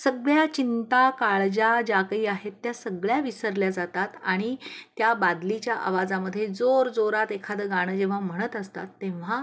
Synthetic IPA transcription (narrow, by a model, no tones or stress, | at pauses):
səɡɭjat͡ɕint̪akaɭd͡ʑad͡ʑakəiːaɦet̪ːjasəɡɭjaʋisəɾljad͡zat̪at̪aɽ̃it̪jabad̪lit͡ɕjaʔa̰ʋad͡zaməd̪ʱːjed͡zoɾd͡zoɾat̪ekʰad̪əɡaɽ̃əd͡ʑeʋ̤am̤əɽ̃ət̪əst̪a̰t̪ːẽʋ̤a